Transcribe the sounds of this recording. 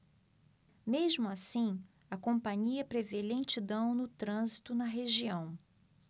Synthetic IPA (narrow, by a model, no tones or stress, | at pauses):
meʒmʊasĩ | ɐkõpɐ̃ɲiɐpɾevelẽt͡ʃid̪ɐ̃w̃nʊt̪ɾɐ̃zit̪ʊnɐɦeʒiɐ̃w̃